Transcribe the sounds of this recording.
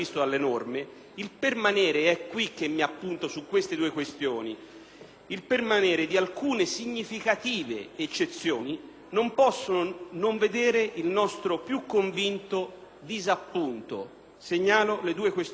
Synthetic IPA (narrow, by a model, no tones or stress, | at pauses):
ist̪od̪alːenorme | ilpermanɛːɾeɛkːwik̟ːemːiapːunt̪osukːwest̪ed̪uːekwest̪joːni | ilpermanɛːɾed̪ialkuːnesiɲːifikat̪iːvḛːt͡ʃːet̪sːjoːni | nompɔsːononoɱved̪eːɾeʔilnɔst̪ɾopjukːoɱvint̪o | d̪izapːunt̪o̰ | seɲːaːloled̪uːekwes